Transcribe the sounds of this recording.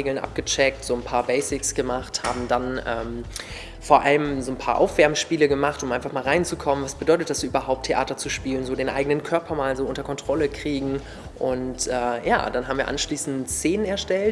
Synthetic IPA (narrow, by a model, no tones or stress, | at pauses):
eːɡl̩ənʔa̰p̚ɡ̥ət͡ʃɛk̚tz̥oːnpʰaːɐbɛɪsɪksɡ̥əmaχtha̰ːbm̩danʔɛːm | foːɐʔa̰ləmzoːnpʰaːɐʔa̰ʊfv̥ɛɐbməʃpiːləɡəmaχtʊmʔaɪnfaχmaːlʁaɪnt͡sukʰɔmənvasb̥ədɔʏtət̚d̥asz̥oːʔyːbɐɦaʊp̚tʰeʔa̰ːtɐt͡suʃpiːlənzoːdeːnʔa̰ɪɡənənkʰœɐpʰɐmaːlzoːʔʊntɐkʰɔntʁ̥ɔləkʁ̥iːɡŋ̩ | ʔʊntʔɛːja̰ːd̥anɦaːbm̩viːɐʔa̰nʃliːsn̩tseːnənɛɐʃtɛlt